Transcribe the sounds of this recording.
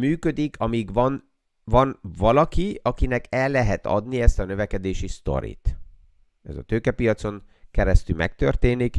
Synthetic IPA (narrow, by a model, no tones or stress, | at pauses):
myːkø̞d̪ikʰɒmiɡvɒn | vɒnvɒlɒkiɒkinɛkʰɛlːɛɦɛt̪ɒ̰d̪niɛst̪ɒnøvɛkɛd̪eːʃist̪o̞̰ɾḭt̪ | ɛ̰zɒ̰t̪øːkɛpijɒt̪so̞ŋ | kɛɾɛst̪ylmʔɛ̰k̚t̪ø̰rt̪eːnik